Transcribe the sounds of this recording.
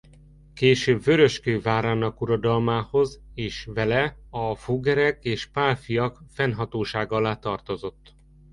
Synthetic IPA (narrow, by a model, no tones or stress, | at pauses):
keːʃøːbvøɾø̞ʃkøːvaːɾaːnɒkuɾɒd̪ɒlmaːho̞zeːʃvɛlɛɒfuɡɛɾɛkeːʃpaːlfijɒkfɛnɦɒt̪oːʃaːɡɒɒlaːt̪ɒrt̪o̞zo̞t̪ː